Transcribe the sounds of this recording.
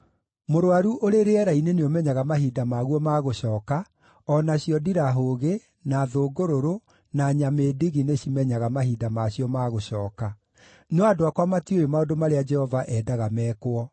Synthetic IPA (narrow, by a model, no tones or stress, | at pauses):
moɾoaɾuʔoɾeɾeɛɾaineneomɛɲaɣamaɦidamaːɣwɔmaːɣoɕɔːka | ɔnaɕijɔdiɾaɦoːɣe | naðoɡoɾoɾo | naɲamediɣineɕimɛɲaɣamaɦidamaɕjɔmaːɣoɕɔːka | neadoakwamatiojomaodomaɾead͡ʒɛhɔvaʔɛdaɣamɛːkwɔ